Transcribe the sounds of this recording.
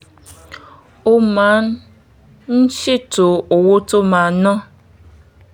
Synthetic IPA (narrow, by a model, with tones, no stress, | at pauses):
o˦ma˨˦n˦ | n̩˦ʃi˦to˨o˨wo˦to˦mã˨nɔ̃˦